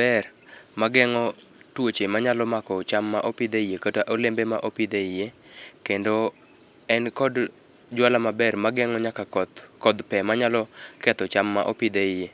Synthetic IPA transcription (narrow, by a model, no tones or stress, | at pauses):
bɛr | maɡɛŋɔtwot͡ʃemaɲalɔmakɔt͡ʃamːaʔopid̪eijekətaʔolembemaʔopid̪eɪje | kendo | ɛnkɔd | d͡ʒwalamabɛrmaɡɛŋɔɲakakɔd̪pɛmaɲalɔkɛt̪ɔt͡ʃamːa̰ʔopid̪eɪje